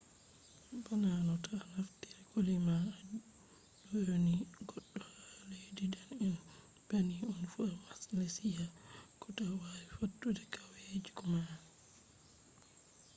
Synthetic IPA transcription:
bananɔtanaftiɾɛɡolima | dɔjoniɡɔɗːɔhalejdidanin | b̥aniɔnfuawasilesijakɔtawawifotːudɛkʰawed͡ʒikɔma

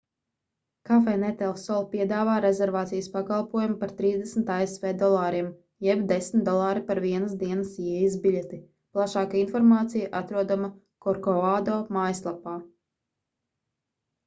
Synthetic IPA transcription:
kafɛnɛt̪ɛlˠsɔlˠpiɛd̪aːvaːɾezɛɾvaːt̪sijəspakalˠpuɔjumupaɾt̪ɾiːzd̪ɛsm̩t̪aesvɛːd̪ɔlˠɑːɾiɛm | jɛbd̪esmt̪d̪ɔlˠaːɾipaɾviɛnəsd̪iɛnəsjiɛjizbʲiʎʲet̪i | plˠaʃaːkainfɔɾmaːt̪sijaʔat̪ɾuɔd̪ama | kɔɾkɔaːd̪ɔːmaːjslˠapaː

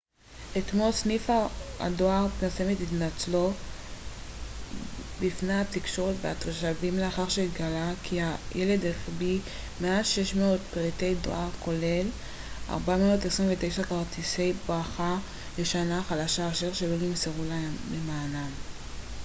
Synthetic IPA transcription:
et̪mo̞lsnifaa̰doaʁpiʁsemetitnat͡slo | bifneat̪ikʃo̞ʁetveat̪ʃavimleaχaʁʃeɡalakʰiajʔele̞d̪eχbi | meaʃeʃmeot̪peʁit̪e̞jdo̰aʁko̞lel | ʔa̰ʁbameotesʁinvet̪e̞jʃakaʁtise̞jbʁaχa | leʃanaχalaʃaːʃeʁʃelo̞nimseʁulalemaːnam

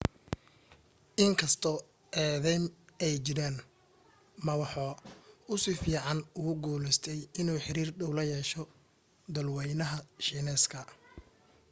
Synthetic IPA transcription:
ʔɪŋkʰɐst̪ʰɔː | ɛːðɛjmɛjt͡ʃɪɾaːn | mɐwɑħɔːʊsɪfiːʕɑnʊɣʊɡuːlɛst̪ʰɛjɪnuːħɪɾiːrɖɔwlɐjɛːʃɔ | d̪ɐlwɛjnɐɦɐʃiːnɛːskʰɐ

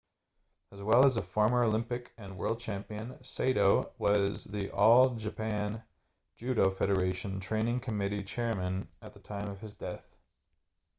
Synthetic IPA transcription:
əzwɛlˠəzəfɔɹmə˞oʊlɪ̃mpɨkɨ̃nwɜ̰˞lˠd̚t͡ʃʰæ̃mpiɨ̃nseɪɾoʊwʌzðiʔɔlˠd͡ʒɨpʰæ̃n̥ | d͡ʒʉɾoʊfɛɾə˞eɪʃɨ̃n̩tʰɹ̥ẽɪ̃nɪ̃ŋkʰɨmɪɾit͡ʃʰɛɹmɨ̃nɨt̪̚ðətʰãɪ̃mʌv̥ɨzdɛθ

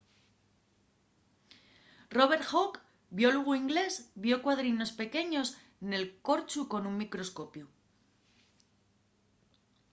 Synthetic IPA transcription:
ro̞βe̞ɾxok | bjo̞luɣuiŋɡle̞zbjo̞kwaðɾino̞spe̞ke̞ɲo̞s | ne̞lko̞ɾt͡ʃuko̞nuŋmikɾo̞sko̞pju

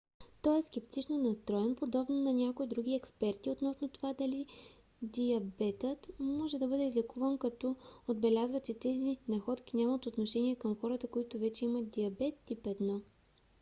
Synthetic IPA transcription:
t̪ɔɛskɛp̚t̪it͡ʃnonɐst̪ɾɔjɛnpod̪ɔbnonɐnʲakoid̪ɾuɡ̟iɛkspɛɾt̪iot̪nɔsnot̪ovad̪ɐli | d̪iɐbɛt̪ət̪mɔʒɛd̪ɐbɤd̪ɛizlʲɛkuvənkɐt̪ɔod̪bɛlʲazvət͡ʃɛt̪ɛzinɐxɔt̪kʲinʲamət̪ot̪noʃɛnʲiɛkɐmxɔɾət̪əkoit̪ʊvɛt͡ʃɛimɐd̪iɐbɛt̪ːipɛd̪nɔ

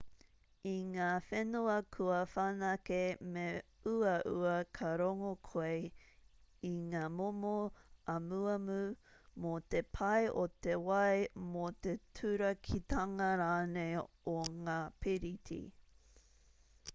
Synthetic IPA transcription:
iŋaːfenuɐkʰuɐfanɐkemeuɐʔṵɐkʰɐɾoŋokʰoe | iŋaːmomoɐmuɐmumot̪epʰɐjʔot̪ewɐjmot̪etʰʉɾɐkʰit̪ɐŋɐɾaːnej | oŋaːpʰiɾitʰḭ

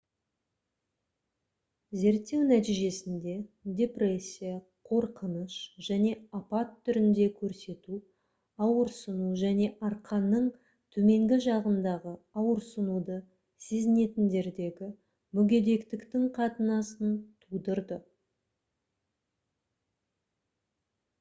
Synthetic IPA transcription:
ze̞ɾt̪ːe̞wnæt̪̬ijʒe̞sɪnd̪e̞d̪ʲe̞pre̞sʲːijɑ | qʰo̞ɾqənəʃʒ̥æne̞apɑt̪ʰːʏɾɪnd̪e̞kʲʰɵɾse̞t̪u | ɑwəɾsənuʒæne̞ʔɑɾqʰɑnːəɴ | t̪ʰɵme̞ŋɡʲɪʒɑʁənd̪ɑʁəɑwəɾsənud̪ə | se̞zɪne̞t̪ɪnd̪e̞ɾd̪e̞ɡʲɪ | mʏɡʲe̞d̪e̞kt̪ɪkt̪ɪŋqʰɑt̪ənɑsənt̪ʰud̪əɾd̪ə

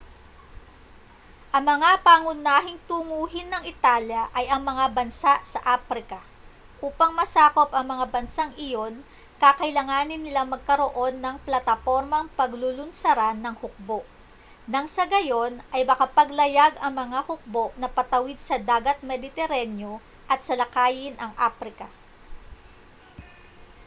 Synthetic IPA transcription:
ʔɐŋmɐŋapaːŋʊnaːɦɪŋt̪uŋuːɦɪnːɐŋɪt̪aːljɐʔɐjʔɐŋmɐŋabɐnsaʔsɐʔaːfɾɪkɐ | ʔuːpɐŋmɐsaːko̞pɐŋmɐŋabɐnsaŋʔɪjo̞n | kakɐɪlɐŋaːnɪnːɪlaŋmɐɡ̚kɐɾo̞ʔo̞nːɐŋplɐt̪ɐfo̞ɾmɐŋpɐɡlʊlʊnsɐɾanːɐŋhʊk̚bo̞ʔ | nɐŋsɐɡɐjo̞nʔɐjmɐkapɐɡlɐjaɡɐŋmɐŋahʊk̚bo̞ʔnɐpɐt̪ɐwɪd̪̚sɐd̪aːɡɐt̪̚mɛd̪ɪt̪ɛɾanjo̞ | ʔɐt̪sɐlɐkaːjɪnʔɐŋʔapɾɪkɐ

